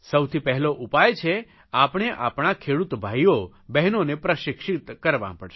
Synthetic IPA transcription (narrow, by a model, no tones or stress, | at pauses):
səwt̪ʰipɛɦɛloʔupajt͡ʃʰe | apɳ̃eʔapɳ̃akʰeɽut̪bʱajo | bɛɦnonepɾəʃɪkʃit̪kəɾʋã̰pəɽʃe